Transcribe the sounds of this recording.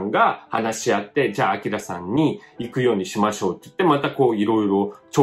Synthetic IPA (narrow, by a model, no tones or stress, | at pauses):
ŋɡaha̰naɕiat̪ːe̞d͡ʑaːakʲiɾasã̰ɲ̟ːiikɯ̟jo̞ːɲ̟iɕimaɕo̞ːt̪ːoɯ̥t̪ːe̞mat̪ako̞ːiɾo̞iɾo̞t͡ɕo